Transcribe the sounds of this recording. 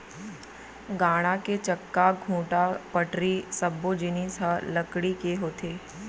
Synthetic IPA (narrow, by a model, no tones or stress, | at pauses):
ɡaːɽ̃aket͡ʃəkːaɡʱũːʈapəʈɾisɐbːod͡ʒɪnisəlɐkɽikeɦoːt̪eː